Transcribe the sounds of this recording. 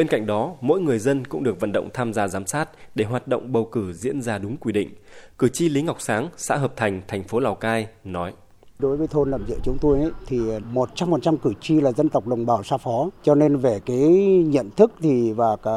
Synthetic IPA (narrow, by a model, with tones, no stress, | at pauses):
ɓe˧nka̰˧˨ŋ̟ɗɔ˨˦mo̰˧˥jŋɨ˨˩əjzə˧nkʊ̰˧˥ŋ͡mɗɨ˨˩ək̚və̰˧˨nɗə̰˧˨wŋ͡mt̪ʰaː˧mzaː˧zaː˨˦msaː˦˥t̚ɗe˧˩ɦwaː˨˩t̚ɗo̰˧˨wŋ͡mɓə˨˩wkɨ˧˩zḭ˧˥ənzaː˧ɗʊ˨˦ŋ͡mkwi˧˩ɗḭ̈˧˨ŋ̟kɨ˧˩t͡ɕi˧li˨˦ŋa˨˩wk͡p̚saː˨˦ŋsa̰ː˧˥ɦəː˨˩p̚t̪ʰa˨˩jŋ̟t̪ʰɛ˨˩jŋ̟fo˨˦laː˨˩wkaː˧jnɔ˨˦j | ɗo˨˦jvəː˨˦jt̪ʰo˧nla̰ː˧˩mzɨ̰˧ət͡ɕʊ˨˦ŋ͡mt̪o˧jʔə˨˦jt̪ʰi˨˩mo˨˩t̚t͡ɕa˧mːo˨˩t̚t͡ɕa˧mkɨ˧˩t͡ɕi˧laː˨˩zə˧nt̪ə˨˩wk͡p̚ɗə˨˩wŋ͡mɓaː˨˩wsaː˧fɔ˨˦t͡ɕɔ˧ne˧nve˨˩kaː˨˦jɲə̰˧˨nt̪ʰɨ˦˥k̚t̪ʰi˨˩vaː˨˩ka˨˦